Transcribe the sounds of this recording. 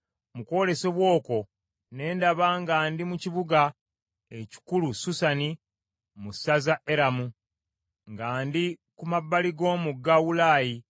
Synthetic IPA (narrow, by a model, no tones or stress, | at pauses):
muko̞ːle̞seβwo̞ːko̞ | ne̞ːndaβaːŋɡaːndimuciβuɡa | e̞ci̥kulususani | musazaʔe̞ɾamu | ŋɡaːndikumabːaliɡo̞ːmuɡːawulaːji